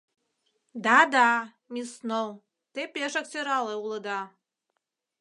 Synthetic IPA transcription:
d̪ɑd̪ɑ | mʲisnow | t̪epeʃək̚t͡seɾɑleulˠɤd̪ɑ

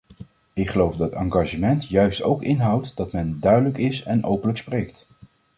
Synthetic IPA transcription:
ɪkχəlowfdɑtɑŋɡɑʒəmɛntjœɥsto̰wkɪnɦɑwtdɑtmɛndœɥdələkɪsɛnʔowpənləksprejkt

